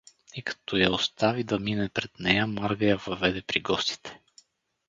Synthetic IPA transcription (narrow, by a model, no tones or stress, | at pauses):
ikɐ̥t̪ɔjaost̪avid̪ɐminɛpɾɛd̪nɛjəmaɾɡəjavɐvɛd̪ɛpɾiɡɔst̪i̥t̪ʰɛ̥